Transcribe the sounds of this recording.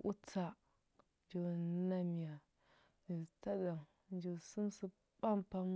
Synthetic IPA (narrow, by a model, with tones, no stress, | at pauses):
ʔu˦t͡sa˨ | d͡ʒi˨na˦mi˨ja˨ | d͡ʒi˨ta˦da˨ŋ | d͡ʒi˨su˦msi˦ | pa˦mpa˦m